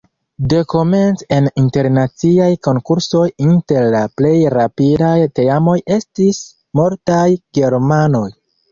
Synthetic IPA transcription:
de̞ko̞me̞nt͡se̞ninte̞ɾnat͡siajko̞ŋkuɾso̞jinte̞ɾlaple̞jɾapidajte̞amo̞je̞stis | moɾtajɡ̥e̞ɾmano̞j

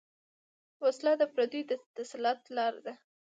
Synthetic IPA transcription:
waslɑd̪əpɾad̪ud̪ət̪aslɑt̪lɑɾd̪a

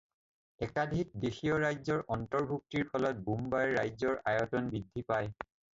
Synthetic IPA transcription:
ɛkadʱik̚dexijɔɹajzɔɹʔɔntɔɹbʱuk̚tiɹpʰɔlɔt̚bumbaɹːajzɔɹʔajɔtɔnbidʱːipaj

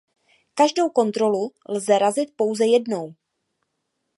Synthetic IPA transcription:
kaʒdo̞wko̞nt̪ɾo̞lulzɛɾazɪt̪̚po̞wzɛjɛdno̞w

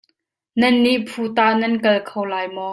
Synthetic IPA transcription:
nɐnːiʔpʰut̪aːnɐnkɐlkʰowlaːjmɔ

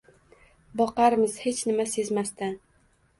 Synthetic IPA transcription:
bɒqɑɾmɪz̥he̞t͡ʃnɪmasezmast̪an

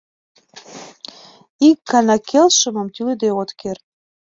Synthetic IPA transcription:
ikːɑnɑkʰelʃɤ̆mɤ̆mt̪yled̪eot̪ker

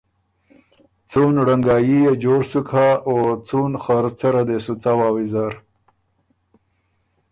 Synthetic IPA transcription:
t͡sunɽaŋɡɑːjijed͡ʒoɾsukʰaot͡sunxaɾt͡saɾad̪esut͡sawɑːwizaɾ

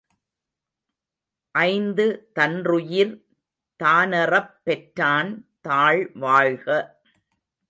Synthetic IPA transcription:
ʔɐɪnd̪ɯt̪ɐndrʊjɪɾ | t̪aːnɐrɐpːɛʈɾaːnt̪aːɭʋaːɻɣɐ

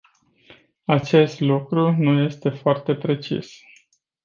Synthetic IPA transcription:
at͡ʃe̞st̪lukɾunuje̞st̪e̞foart̪e̞pɾe̞t͡ʃḭs

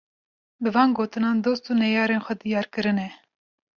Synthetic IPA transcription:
bɨvɑːnɡoːt̪ɨnɑːnd̪oːst̪uːnɛjɑːɾeːnxʷɛd̪ijɑːɾkɨɾɨnɛ

